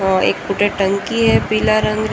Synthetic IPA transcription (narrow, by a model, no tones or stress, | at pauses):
ɔːɾḛːkpʊʈeʈɐ̃ŋkiɦɛpiːlaɾə̃ŋɡɾ